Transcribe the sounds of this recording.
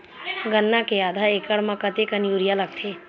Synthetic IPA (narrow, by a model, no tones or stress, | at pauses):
ɡənːakeaːd̪ʱaekəɽmãkət̪ekənjuɾijaləɡ̚t̪ʰeː